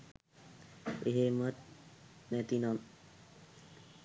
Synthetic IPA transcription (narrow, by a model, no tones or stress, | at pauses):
eɦemət̪̚nɛt̪inɔn